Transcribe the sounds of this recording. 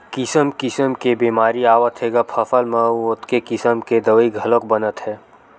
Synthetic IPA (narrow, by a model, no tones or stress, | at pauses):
kɪsəmkɪsəmkebiːmaːɾiaːʋət̪ɦeːɡapʰəfʰəlməʊt̪kekɪsəmked̪əʋəiɡʱələkbənət̪ɦɛː